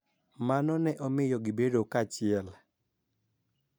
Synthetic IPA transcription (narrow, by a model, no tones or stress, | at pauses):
manɔnɛʔɔmɪjɔɡɪbedokat͡ʃɪɛl